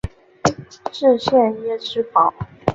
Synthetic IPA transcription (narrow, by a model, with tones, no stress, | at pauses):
ʈ͡ʂɻ̩˥˧ɕjɛ˥˧njɛ˥ʈ͡ʂʰɻ̩˥pʰɑ˨˩˦ʊ